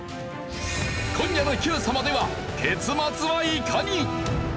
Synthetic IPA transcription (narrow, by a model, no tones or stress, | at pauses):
kʰõɲjanokʲɯːsamad̪e̞βa | t̪ʰe̞t͡sɨmat͡sɨβaikʰaɲi